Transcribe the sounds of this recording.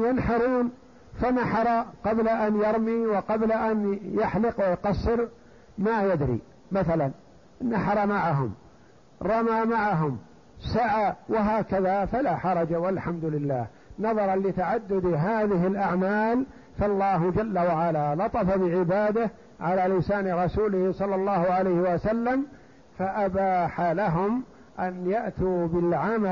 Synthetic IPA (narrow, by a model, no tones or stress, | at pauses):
janħɑɾˤuːn | fanaħɑɾˤɑqɑblaʔanjɑɾˤmiwɪqɑblaʔanjɪħlɪqwɪjqɑsːɪɾ | majad̪ɾḭ | maθalan | nːaħɑɾˤɑmaʕaɦʊm | ɾˤɑmaːmaʕaɦʊm | saʕawɪɦaːkaðafalaħɑɾˤɑd͡ʒawalħamd̪ʊlɪlːaːh | nɑðˤɑɾˤɑnlɪt̪aʕad̪ːʊd̪ɦaːðɪɦɪlʔaʕmaːl | falˤːɑːɦd͡ʒalːawaʕalalɑt̪ˤɑfabɪʕɪbaːd̪a | ʕalaːlɪsaːnɾˤɑsuːlɪhsˤɑlːɑlˤːɑːhʊʕalajhɪwasalːam | faʔabaːħalaɦʊm | ʔanjaʔt̪uːbɪlʕama